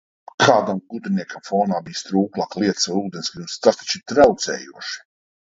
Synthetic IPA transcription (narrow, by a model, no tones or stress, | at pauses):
kʰaːd̪amɡud̪ɾiniɛkamfɔːnaːbijst̪ɾuːklˠaːklˠiɛt̪saɾuːd̪ensɡɾimst̪ast̪ḁt͡ʃit̪ɾawt̪sɛ̰ːjuɔʃi̥